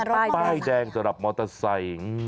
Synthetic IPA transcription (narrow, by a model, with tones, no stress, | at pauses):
t̪aː˥˩jdɛː˧ŋsa˨˧˦mɾa˨˩p̚mɔː˧t̪a˧sa˨˩j